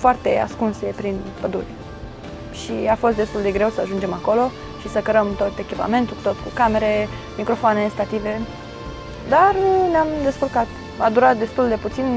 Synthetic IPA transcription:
foart̪e̞a̰skunse̞pɾinpəd̪ṵrʲ | ʃiafost̪̚d̪e̞st̪uld̪e̞ɡɾe̞wsəaʒund͡ʒe̞mako̞lo̞ | ʃisəkəɾəmt̪o̞t̪e̞kʲipa̰me̞nt̪ult̪o̞t̪kukame̞ɾe | mikɾo̞foanest̪at̪ive̞ | d̪arneamd̪e̞skurkat̪ | vad̪uɾat̪̚d̪e̞st̪uld̪e̞put̪sin

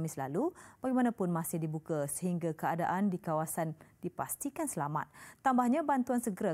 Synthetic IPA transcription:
mɪsla̰lub̥aɡɛjmanãpʊnmãsɪhdibukasəɦiŋɡakəada̰ʔandikawasandipa̰st̪ikansəlama̰t̪̚ːambahɲãbant̪uansəɡəɾa

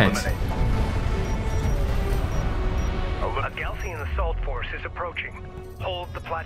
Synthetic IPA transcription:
əwəɡɛlˠsiɨ̃nðɨsɔlˠtfɔɹsɨzɨpʰɹ̥oʊt͡ʃɪ̃ŋ | hoʊlˠd̪̚ðəpʰl̥æ

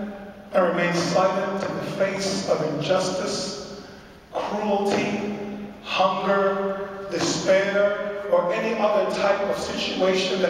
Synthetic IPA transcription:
ɨ̃nɹɨmẽɪ̃nz̥saɪlˠɨ̃ntʰɨðɨfeɪsʌvɨ̃nd͡ʒʌstɨs | kʰɹ̥ul̩ˠtʰi | hʌ̃ŋɡə˞dɨspɛɹə˞ʔɛniʔʌðə˞tʰaɪpʌv̥sɪt͡ʃueɪʃɨ̃nðɨ

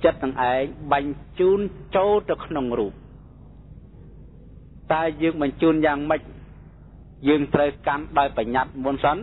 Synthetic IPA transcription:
t͡ɕət̪̚nɨŋʔaɛŋɓaɲt͡ɕuːnt͡ɕoːlt̪ɨwkʰnoŋruːp̚ | t̪aɛjəːŋɓɑɲt͡ɕuːnjaːŋməc̚ | jəːŋt̪rəwkanɗaɔjpaɲat̪̚muənsən

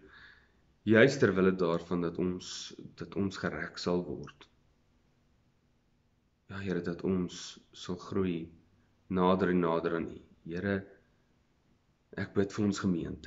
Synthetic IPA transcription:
jœɥstərvələdɑːrfɐndɐtɔnsd̥ɐtɔnsχəɾæksɐlˠvɔ̰rt | jɑːɦəɾədɐtʰɔnsːɐlˠχruj | nɑːdəɾinɑːdəɾɑnḭ | ɦəɾə | ʔæk̚bətfəɾɔnsχəmiəntə

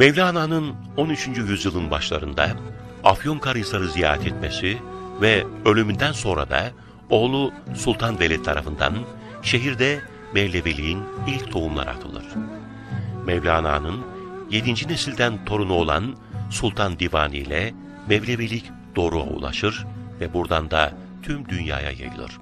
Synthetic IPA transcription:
mevlʲaːnaːnɯn | o̞nyt͡ʃʰynd͡ʒyjyzjɯlˠɯnbaʃlˠaɾɯnd̪a̰ | afjomkʰaɾajɯsˠaɾɯzijaːɾɛt̪ʰɛt̪me̞sivɛø̞lʲymynd̪ænso̞nɾa̰d̪a̰ | o̞ːlˠusulˠt̪ʰanvelʲɛt̪ʰːaɾafɯnd̪a̰n | ʃe̞ɦiɾd̪ɛ | mɛvlʲevelʲiinilʲct̪ʰo̞umlˠa̰ɾɯa̰t̪ʰɯlˠɯ̰ɾ̥ | mɛvlʲaːna̰ːnɯnje̞d̪ind͡ʒinesilʲd̪ænt̪ʰo̞ɾunuo̞lˠa̰n | sulˠt̪ʰand̪ivaːnijlʲɛ | mɛvlʲevelʲic | d̪̥o̞ːɾua̰ṵlˠa̰ʃɯɾvɛbuɾd̪and̪a | t̪ʰymd̪ynja̰ːja̰ja̰jɯ̰lˠɯ̰ɾ̝̥

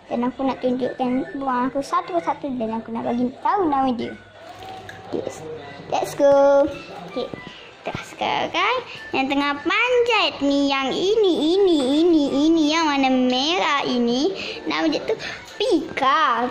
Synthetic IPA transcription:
danakunaʔt̪uɲd͡ʒuʔkanbuaŋakusat̪ukəsat̪udanakunaʔbaɡint̪aunawidiə | dɛ̰ʔsdɛʔskə | ke | t̪əasə̥ka̰ɾa̰kanjaŋt̪əŋahpaɲd͡ʒat̪nijaŋiniːniːniːnijaŋmanəmeɾainina̰wid͡ʒəʔt̪u | pika

